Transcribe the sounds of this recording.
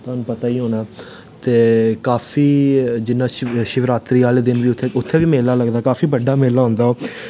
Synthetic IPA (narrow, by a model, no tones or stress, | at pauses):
t̪oːnũːpət̪aːiːɦoːnaː | t̪eːkaːfiːd͡ʒɪnãːʃɪʋɾaːt̪ɾiːaːleːd̪ɪnʋiːt̪ʰːeːʊt̪ʰːeːʋiːmeːlaːləɡd̪aːkaːfʰiːbəɖaːmeːlaːɦʊ̃nd̪aːoː